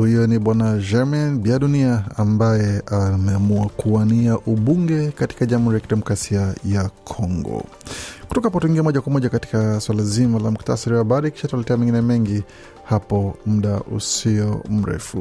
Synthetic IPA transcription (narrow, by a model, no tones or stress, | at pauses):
hijɔniɓwanaʒɛmɛnbiaɗuniaambajɛamɛamuakuaniaʔuɓuŋɡɛkati̥kaʄamhuɾijakiɗɛmɔkɾasiajakʰɔŋɡɔ̰ | kutɔkahap̬ɔtuiŋɡiamɔʄakwamɔʄakati̥kaswalazimalam̩kta̰saɾiwaɓaɗaiki̥ʃatualɛtɛamɛ̃ŋɡinɛmɛŋɡi | hapɔm̩ɗaʔṵsiɔm̩ɾɛ̰fu